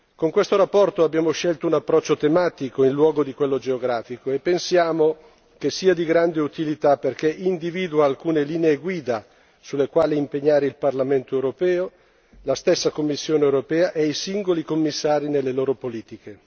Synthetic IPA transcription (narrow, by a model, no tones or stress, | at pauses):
koŋkwest̪oɾapːɔrt̪oabːjaːmoʃɛlt̪ounapːɾɔt͡ʃːot̪emaːt̪ikoinlwɔːɡod̪ikwelːod͡ʒeoɡɾaːfikoepːensjaːmo | kesːiːad̪iɡɾand̪eut̪ilit̪aperkeʔind̪iviːd̪uaːlkuːneliːneːɡwiːd̪a | sulːekwaːleimpeɲːaːɾeilparlament̪oewɾopɛːo | last̪esːakomːisːjoːneewɾopɛːaʔejsiŋɡolikomːisːaːɾinelːeloːɾopoliːt̪ike